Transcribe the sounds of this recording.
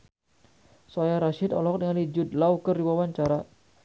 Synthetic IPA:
sɔjaɾaʃɪd̪ɔ̰lɦɔk̚dəŋalid͡ʒʊd̪̚lawkərdibawaɲt͡ʃaɾa

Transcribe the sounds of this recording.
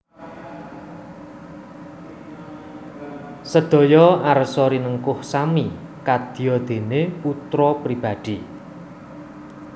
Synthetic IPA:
səd̪̥ɔ̤jɔarsɔɾinəŋkʊhsamikad̪̥i̤jɔd̪̥e̤neput̪ɾɔpɾib̥a̤d̪̥i

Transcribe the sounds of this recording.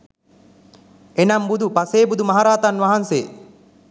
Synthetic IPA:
enambud̪upaseːbud̪umaɦaɾaːt̪anʋaɦanseː

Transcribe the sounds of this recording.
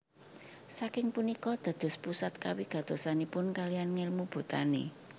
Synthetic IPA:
sakɪŋpunikɔd̪̥ä̤d̪̥ʊ̤spusat̪̚ka̰wiɡ̥a̤t̪o̤sanipʊnkalijanŋɪlmub̥ṳt̪anḛ

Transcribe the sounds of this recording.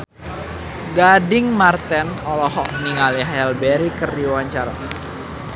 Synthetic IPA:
ɡadɪŋmart̪ɛnɔlɔɦɔk̚niŋaliɦaɛlbɛɾikərdiwaɲt͡ʃara

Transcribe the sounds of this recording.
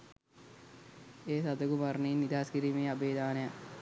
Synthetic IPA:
eːsɐd̪ɐɡumarninid̪aːskiɾimeːɐbeːd̪aːnɐja

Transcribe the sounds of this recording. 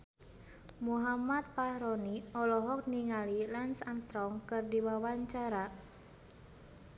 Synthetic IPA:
muɦamat̪̚fahɾɔniɔlɔɦɔk̚niŋalilansamst̪ɾɔŋkɨrdiwawaɲt͡ʃaɾa

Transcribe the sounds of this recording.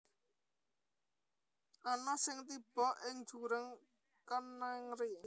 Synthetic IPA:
ʔanɔsɪŋt̪ib̥ɔ̤ʔɪŋ̥d͡ʒ̥uɾəŋ | kanːaŋɾi

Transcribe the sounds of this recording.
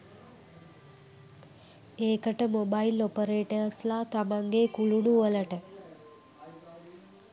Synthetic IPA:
eːkəʈəmobailopəɾeːʈeaslaːt̪amaŋɡekuluɳuʋələʈə

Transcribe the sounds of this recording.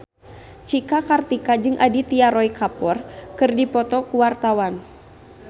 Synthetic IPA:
t͡ʃikakart̪ikad͡ʒɨŋʔadit̪iaɾɔjkapɔrkɨrdipɔt̪ɔkuwart̪awan

